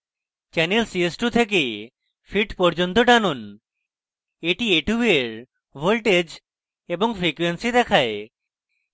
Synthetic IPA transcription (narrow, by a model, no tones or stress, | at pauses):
t͡ɕɛnelsiesʈut̪ʰek̬e | fʰiʈpɔɾd͡ʑont̪oʈanon | eʈieʈueeɾ | bʱolʈed͡ʑ | eboŋfɾikwensid̪ɛkʰae